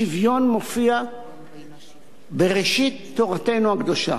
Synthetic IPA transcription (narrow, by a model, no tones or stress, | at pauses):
ivjo̞nmo̞fia | be̞ʁeʃit̪ːo̞ʁate̞jnuhaɡd̪o̞ʃa̰